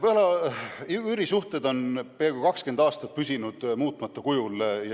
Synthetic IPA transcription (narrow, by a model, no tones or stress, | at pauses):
vɤlɑyyɾisuht̪e̞d̪o̞npeɑɡukɑkske̞nd̪ɑːst̪ɑt̪̚pysʲinud̪̥muːt̪ːˑmɑt̪ˑːɑkujulj